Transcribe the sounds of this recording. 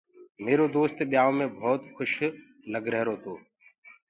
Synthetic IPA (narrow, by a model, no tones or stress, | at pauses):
meːɾoːd̪oːst̪ɓɪjaːõːmẽːbʱɔːt̪xʊʃ | ləɡɾəɦɾoːt̪ʰoː